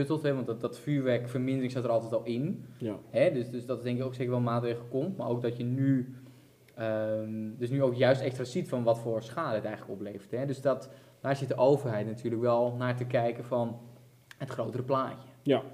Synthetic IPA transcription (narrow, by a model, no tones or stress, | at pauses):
øtəlˠtɦɛʋɑntdɔtfyːɹʋɛkfərmɪndərɪŋsatəɾɔlˠtɛtɔlˠɪnhɛdøsdøsdɔtdɛŋkɪkowksekəɹʋɛlˠmaːtreːɣlˠəkomtmaɹʔowk̚dɔtjəny | ədøsnyowkjœɥstɛkstraːsitfɔnʋɔtfoːɹsxaːdəətɛjŋələkopleːfəthɛdøsdɔt | d̥aːɹsɪtəʔoːwvərɦɛjtnatʰyːrləkʋɛlˠnaːtəkɛjkəfɔn | hətxroːwtərəplaːjə